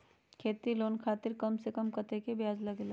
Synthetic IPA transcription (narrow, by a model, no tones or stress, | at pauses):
kʰeːt̪iloːnkʰaːt̪ɪɾkɐmsekɐmkɐt̪ekebjaːzlɐɡel